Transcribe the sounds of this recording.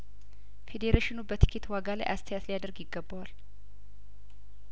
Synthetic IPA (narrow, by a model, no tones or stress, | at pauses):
fed̪eɾeʃɪnubət̪ʰɨ̥kʰːit̪waɡala̰jʔast̪ʰəjat̪lijad̪əɾɡjɪɡːəbːawal